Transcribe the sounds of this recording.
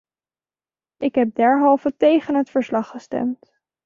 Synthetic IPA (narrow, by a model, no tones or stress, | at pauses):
ʔɪkɦɛp̚dɛɹɦɑlˠvətejχənɦətfəɹslɑχːəstɛ̰mt